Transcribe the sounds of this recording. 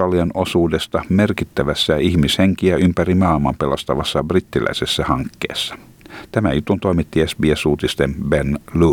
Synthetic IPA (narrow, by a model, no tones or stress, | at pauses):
ɑliɑno̞suːdest̪ɑmerkit̪ːæʋæsːæihmisheŋkiæympærimɑːlmɑmpelost̪ɑʋɑsːɑbrit̪ːilæ̰isesːæhɑŋkːḛːsːɑ̥ | t̪æmæ̰jut̪unt̪oimit̪ːiesbiesuːt̪ist̪embenlu